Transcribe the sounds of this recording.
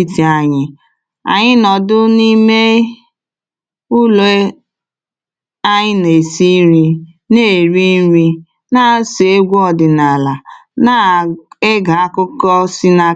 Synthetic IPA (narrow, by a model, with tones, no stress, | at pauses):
i˦ti˨a˨ɲɪ˨ | a̰˨ɲɪ˦nɔ˨dʊ˦ni˦me˦ | ʊ˦lo˨˦ | a˦ɲɪ˦ne˨si˦ɾi˦ | ne˦˨ɾi˦n˦ɾi˦ | na˦se˨e˦ɡʷɔ˦˨dɪ˨na˨la˨na˦e˦ɡa˨a˦kʊ˦kɔ˦si˦na˦